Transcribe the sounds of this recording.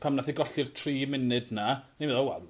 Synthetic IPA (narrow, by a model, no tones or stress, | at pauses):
pʰamnaθiɡɔɬɨr̥tʰriːmɪnɨdnanivɛðɔwɛ̰lˠ